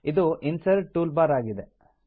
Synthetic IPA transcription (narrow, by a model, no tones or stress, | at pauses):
id̪uʔinsɐɾʈːuːlbaːɾaːɡid̪e